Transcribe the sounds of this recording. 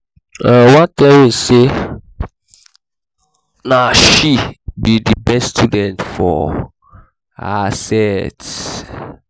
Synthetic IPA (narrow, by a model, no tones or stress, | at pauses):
awãtɛlĩnse | naʃibidibɛsstʰudɛ̃ntfɔ̰ | ha̰sɛlt